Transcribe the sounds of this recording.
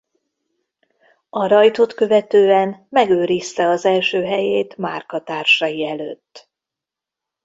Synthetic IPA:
ɒɾɒjt̪o̞t̪kø̞vɛt̪øːɛnmɛɡøːɾist̪ɛɒzɛlʃøːɦɛjeːt̪ma̰rkɒt̪aːrʃɒjiɛløːt̪ː

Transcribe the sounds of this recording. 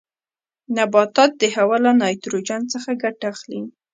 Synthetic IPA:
nabɑt̪ɑt̪̚d̪əhawalanɑjt̪ɾod͡ʒant͡səxaɡaʈaxli

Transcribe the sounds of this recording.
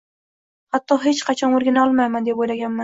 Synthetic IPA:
hat̪ːɒɦe̞t͡ʃqʰɑt͡ʃʰɒnoɾɡʲanaɒlˠmajmand̪epojlaɡʲanma

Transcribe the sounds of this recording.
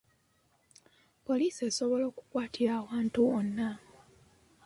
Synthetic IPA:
po̞liːseːso̞βo̞lo̞ːku̥kwaːtiɾaːwaːntuonːa

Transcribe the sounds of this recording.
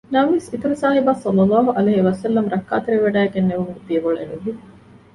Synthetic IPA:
nɐʋʋesit̪uɾɐsaːɦibaːsɐlːɐlːaːɦuʔɐleɦiʋɐsɐlːɐmɾɐkːa̰ːt̪eɾiʋeɖæːeɡenːeʋumuɡut̪iɐboɭḛluɦi

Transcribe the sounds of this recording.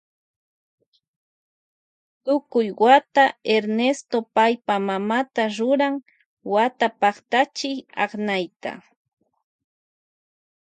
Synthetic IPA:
t̪ʊkʊjwat̪aeɾnest̪opajpamamat̪aɾʊɾaŋ | wat̪apɑχt̪at͡ʃɪjɑ̰χnajt̪a̰

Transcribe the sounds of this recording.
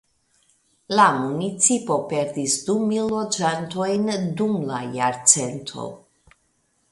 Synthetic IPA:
lamunit͡sipo̞pe̞ɾdisdumilːo̞d͡ʒanto̞jndumlajaɾt͡se̞ntʰo̞̰

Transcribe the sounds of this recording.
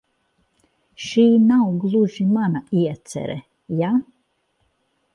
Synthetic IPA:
ʃiːnawɡlˠuʒimanaiɛt̪sɛ̰ɾɛ̰ | ja

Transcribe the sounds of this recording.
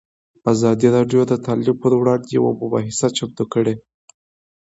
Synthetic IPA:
azɑd̪iɾɑɖjod̪ət̪ʰɑlib̚pəɾwɽɑnd̪jawa̰mʊbɑ̰ɦɪsat͡ʃab̚d̪okəɽe

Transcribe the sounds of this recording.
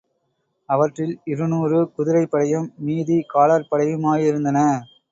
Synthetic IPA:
ɐʋɐʈrɪlɪɾɯnuːrɯkʊðɪɾɐɪpːɐɽɐjɯmːiːðikaːlaɾpɐɽɐjɯmaːjɪɾɯnd̪ɐnɐ

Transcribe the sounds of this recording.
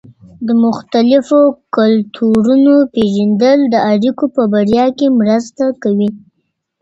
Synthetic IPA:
d̪əmʊxt̪alɪfokʊlt̪ʰuɾunopeʒand̪əld̪əaɽikopəbaɽjɑkemɾəst̪akawi

